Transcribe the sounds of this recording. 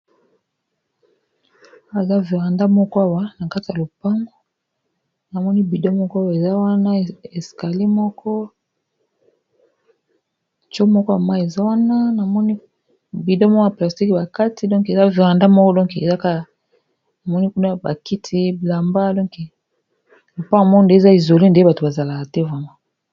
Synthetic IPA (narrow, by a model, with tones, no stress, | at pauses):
a˦a˦e˨za˦vi˨ʁa˨nda˦mɔ˦kɔ˦a˦wa˦na˨ka˦ti˨ja˨lo˨pa˦ŋɡo˦ | na˨mɔ˦ni˦bi˨dɔ˦mɔ˦kɔ˦a˦wa˨e˨za˦wa˦na˦e˨ska˨li˦mɔ˦kʰɔ˦ | t͡ʃo˦mɔ˦kɔ˦a˨ma˦e˨za˦wa˦na˦na˨mɔ˦ni˦ | bi˨dɔ˦mɔ˦kɔ˦a˨pla˨sti˦ki˨ba˨ka˦tʰi˦dɔ̃˦ŋke˨za˦vi˨ʁa˨nda˦mɔ˦kɔ˦dɔ̃˦ŋke˨za˦ka˦ | a˨mɔ˦ni˦ku˦na˦ba˨ki˦tʰi˦bla˨mba˦dɔ˦ke˨ | lo˨pa˦ŋɡo˨mɔ˦kɔ˦nde˦˨za˦i˨zo˨li˦nde˦ba˨to˨ba˨za˨la˨ka˨tɛ˦va˦ma˦